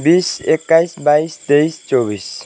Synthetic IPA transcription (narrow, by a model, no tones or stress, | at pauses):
bisekːaisbaist̪eist͡ʃɔbis